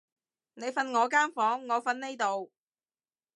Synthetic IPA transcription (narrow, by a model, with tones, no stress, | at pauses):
ne˨˧jfɐ˧nŋɔː˨˧kaː˥nfɔː˨˥ŋːɔː˨˧fɐ˧nne˥jt̪o˨w